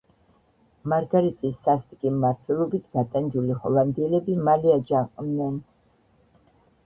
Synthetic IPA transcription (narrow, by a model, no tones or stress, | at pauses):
maɾɡaɾit̪ʼisːast̪ʼkʼimːaɾt̪ʰwɛlˠɔbit̪ʰɡat̪ʼand͡ʒulihɔ̰lˠand̪iɛlɛbimaliad͡ʒaqʼmnɛn